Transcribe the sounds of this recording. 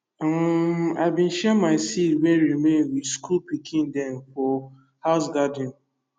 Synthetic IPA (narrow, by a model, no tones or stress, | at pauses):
a̰ɪbĩn̩ʃɛmaɪsitwɛɹimẽnwiskʰulpikʰĩndɛ̃nfɔ | haʊs̬ɡadɪ̃n̩